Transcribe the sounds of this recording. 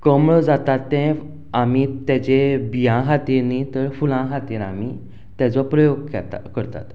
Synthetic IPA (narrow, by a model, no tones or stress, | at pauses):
kəmɭəd͡zat̪at̪ːɛ̃ | amit̪at͡ɕebijãɦat̪iɾnit̪əɾfulãɦat̪iɾami | t̪jat͡sɔpɾəjoɡkɛ̰t̪kəɾt̪a̰t̪